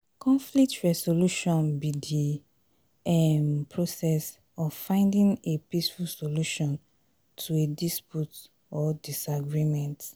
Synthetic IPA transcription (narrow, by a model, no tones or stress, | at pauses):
kʰɔ̃ɱflik̚tɹɛsoluʃɔ̃nbidi | ɛmpʰɹosɛs | ɔffãɪ̃ndĩŋepisfulsoluʃɔ̃n | tʰuedisput | ɔdisaɡɹimɛ̃nt